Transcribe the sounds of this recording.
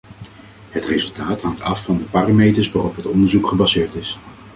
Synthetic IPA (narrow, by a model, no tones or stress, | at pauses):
ɦətrezɵlˠtaːtɦɑŋtɑfːɑndəpaːramejtəsʋaːrɔpɦətɔndəɹzukχəbɑzɪːɹtɪs